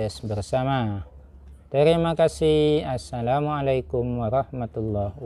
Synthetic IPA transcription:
sbərsama | t̪əɾimakasihasːalamualajkʊmwaɾɑhmat̪ulːɔ

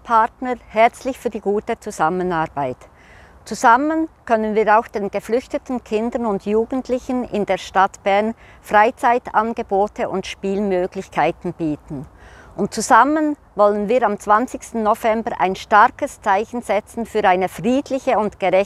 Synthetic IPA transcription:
pʰatnəʁhɛʁt͡slɪçfyːɐdiːɡuːtət͡suz̥amənaːʁb̥aɪt | t͡suzamənkʰœnənviːɾaʊxd̥eːnɡ̥əflʏçtətn̩kʰɪndənʊndjuːɡən̩tʰlɪçənɪ̰ndeːɐʃtatb̥ɛʁn | fʁaɪt͡saɪtanɡ̥əboːtʰəʔʊntʃpiːlmøːɡlɪçkʰaɪtn̩b̥iːtn̩ʔʊnt̚t͡suzamən | vɔlənviːɾamt͡sv̥ant͡sɪçstn̩ːovɛmbəɾʔa̰ɪnʃtaɾkəst͡saɪçn̩z̥ɛt͡sn̩fyːɾaɪnəfʁiːdlɪçəʊntɡ̥əʁɛ

